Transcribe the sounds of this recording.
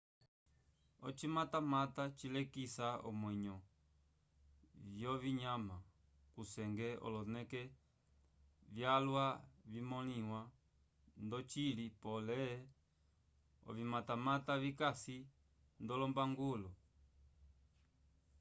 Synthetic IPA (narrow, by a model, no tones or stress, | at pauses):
ɔt͡ʃimatamatat͡ʃilɛkisaɔ̰mwɛɲɔ | vjɔviɲama | kusɛŋɡɛɔ̰lɔnɛkɛ | vjalwavimɔliwa | ndɔt͡ʃilipɔlɛ | ɔ̰vimatamatavikasi | ndɔlɔmbaŋɡulɔ